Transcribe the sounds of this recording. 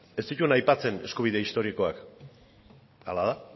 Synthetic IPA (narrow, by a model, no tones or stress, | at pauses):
e̞st̪it̪uenajpat͡se̞ne̞skuβ̞iðe̞ist̪o̞ɾiko̞ak | a̰lað̞a